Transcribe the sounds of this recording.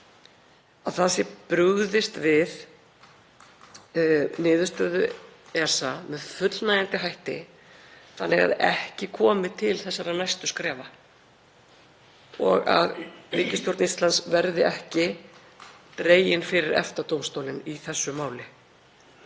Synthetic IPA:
aðθasjɛpɾʏɣðɪst̪vɪð | nɪːðʏst̪œːðʏɛsamɛðfʏt̪lnaːjant̪ɪɦajht̪ɪ̰ | θanːɪɣa̰ðɛhcɪkʰɔːmɪt̪ʰɪlθɛsːaɾanajst̪ʏskɾɛːva | ɔ̰ɣa̰ðɾiːcɪst̪jowɾt̪nist̪lansvɛɾðɪʔɛhcɪ | t̪ɾeːjɪnfɪɾɪɾɛ̰ft̪at̪owmst̪owlɪniθɛsːʏmaːwlɪ

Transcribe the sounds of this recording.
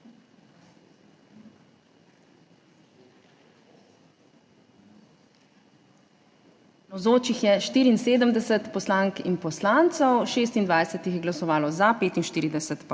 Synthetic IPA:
nɔwzoːt͡ʃixjɛʃt̪iːɾiːnseːd̪əmd̪ɛsət̪pɔslaŋkinpɔslaːnt̪sɔwʃeːs̬t̪ind̪ʋajsət̪ixjɛɡlasɔʋaːlɔzapeːt̪inʃt̪iːɾid̪ɛsət̪p

